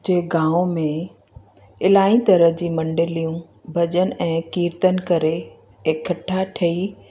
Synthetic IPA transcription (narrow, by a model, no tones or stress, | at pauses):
d͡ʑeːɡãːʋmẽ | ɪlaːĩt̪ɐɾəɦd͡ʑiːmɐ̃ɳɖɪlijũ | bʱɐd͡ʑənɪ̆ʔɛ̃ːkiːɾt̪ənɪ̆kɐɾe | kʰːɐʈʰaʈʰɐi